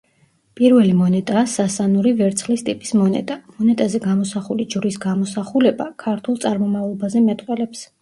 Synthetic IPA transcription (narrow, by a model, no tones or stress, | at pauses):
pʼiɾvɛlimɔnɛt̪ʼaːsasanuɾivɛɾt̪sʰχlist̪ʼipʼismɔnɛ̰t̪ʼamɔnɛt̪ʼazɛɡamɔsaχulid͡ʒɾisɡamɔsaχulɛbakʰaɾt̪ʰulˠt̪sʼaɾmɔmavlˠɔbazɛmɛt̪ʼqʼwɛlɛps